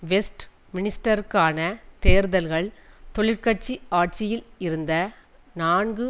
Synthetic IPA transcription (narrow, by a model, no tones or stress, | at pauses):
ʋɛsʈ | mɪnɪsʈɐɾkːaːnɐt̪eːɾðɐlɣɐɭt̪ɔɭɪɾkɐʈ̚t͡ʃiaːʈ̚t͡ʃɪjɪlɪɾɯnd̪ɐ | naːnɡɯ